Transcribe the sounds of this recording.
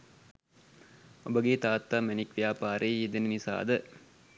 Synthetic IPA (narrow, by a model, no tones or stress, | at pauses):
obəɡeːt̪aːt̪ːaːmenikʋijaːpaːɾeːjed̪enənisa̰ːd̪ə